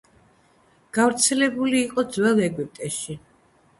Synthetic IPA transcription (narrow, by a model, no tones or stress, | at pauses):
ɡ̥avɾt̪sʰɛlɛbuliːqʼɔd̪zwɛlˠɛɡip̚ʼt̪ʼɛʃi